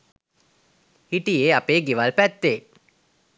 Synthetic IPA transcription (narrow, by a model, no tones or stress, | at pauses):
hiʈijeːapeːɡiʋalpæt̪ːeː